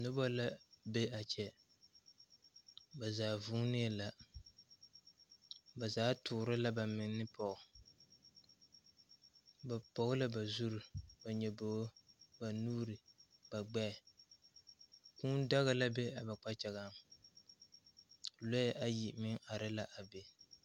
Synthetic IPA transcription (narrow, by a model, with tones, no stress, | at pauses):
nʊ˦ba˦la˦be˦a˨t͡ʃɛ˨ | ba˨zaː˨vuː˦nɪ˦a˦la˨ | ba˨zaː˨˦tʰʊː˨ɾɪ˦la˦ba˨mɪ˨ŋ˦nːɨ˦pɔ˨ʔʊ˨ | ba˨pɔ˨ɣʊ˦la˦ba˨zu˦ɾʊ˨ba˨ɲɛ˨bo˨˦ba˨nuː˦ɾɪ˨ba˨ɡ͡bɛ˦˨ | kuː˦n˦da˦ɣa˦la˦be˦a˨ba˨k͡pa˦t͡ʃɛ˨ɣa˦m | lɔ˦jʔa˨ji˨mɪ˦ŋʔa˨ɾɪ˦la˦ʔa˨be˨